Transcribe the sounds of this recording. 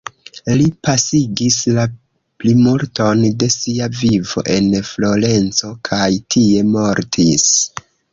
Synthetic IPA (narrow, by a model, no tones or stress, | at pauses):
lipasiɡisla | plimulto̞nde̞siavivo̞̰ʔe̞nflo̞ɾe̞nt͡so̞kʰajtʰie̞mo̞ɾtʰis